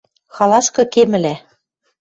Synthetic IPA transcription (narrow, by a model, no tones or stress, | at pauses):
xɑlˠɑskɤ̆kemɘ̆læ